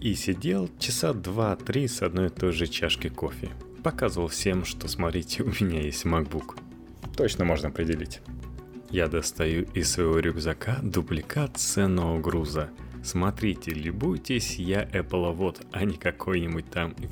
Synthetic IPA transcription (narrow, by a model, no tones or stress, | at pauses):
isʲɪdʲe̞lˠt͡ɕɪsad̪vat̪ɾʲisɐd̪no̞jɪt̪o̞jʐɨt͡ɕaʂkʲɪko̞fʲɪ̰pɐkazəvəlˠfsʲe̞mʂt̪o̞smɐt̪ɾʲitʲɪʊmʲɪnʲajesʲtʲmɐɡ̚buk | t̪o̞t͡ɕnəmo̞ʐnəɐpɾʲɪdʲɪlʲitʲ | jad̪əst̪ɐjuʔɪsvɐjɪvo̞ɾʲʊɡzɐkad̪ʊblʲɪkat̪sɛnəəɡɾuzəsmɐt̪ɾʲitʲɪlʲʊbujtʲɪsʲjaʔɛplˠəvot̪ɐnʲɪkɐkʰo̞jnʲɪbut̚ʲt̪am